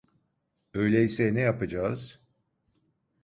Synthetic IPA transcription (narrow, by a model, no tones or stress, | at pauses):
ø̞jlʲɛjisɛnɛjapɯd͡ʒaːz̥